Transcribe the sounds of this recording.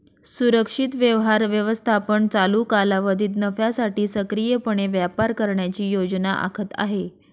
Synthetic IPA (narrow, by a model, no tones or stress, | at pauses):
suɾəkʂit̪ʋjəʋɦaɾʋjəʋəst̪ʰapəɳt͡saluːkalaʋəd̪ʱiːt̪nəfjasaʈiːsəkɾijəpəɳ̃eʋjapaɾkəɾɳjat͡ɕiːjod͡znaʔa̰kʰət̪a̰ɦe